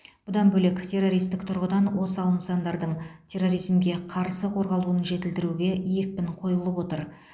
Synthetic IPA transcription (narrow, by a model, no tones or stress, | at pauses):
b̥ʊd̪ɑnbɵle̞kt̪ʲʰe̞rːo̞ɾijst̪ɪkt̪ʰʊɾʁəd̪ɑnwo̞sɑlˠənsɑnd̪ɑɾd̪əɴtʲʰe̞rːo̞ɾijzmɡʲe̞qʰɑɾsəqʰo̞ɾʁɑlˠuənʒe̞t̪ɪlt̪ɪɾuɡʲe̞jek̚pɪɴqʰo̞jəlˠəpwo̞t̪əɾ